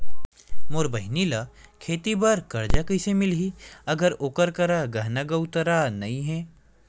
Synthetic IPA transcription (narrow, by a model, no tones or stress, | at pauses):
moːɾbɐɦɪnila | kʰeːt̪ibɐɾkɐɾd͡ʒakəɪsemɪlɦiɐɡəɾoːkəɾkɐɾaɡɐɦnaɡəwt̪əɾaːnɐĩɦɛ̃ː